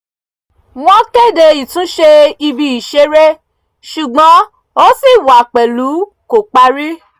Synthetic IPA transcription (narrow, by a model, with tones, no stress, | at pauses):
w̃ɔ̃˦ke˦˨de˧i˨tũ˨˦ʃe˧i˧bi˧i˨ʃe˨˦ɾe˦ | ʃu˨ɡ͡bɔ̃˨˦ | o˦si˦˨wa˨k͡pɛ˨lu˨˦ | ko˨k͡pa˧ɾi˦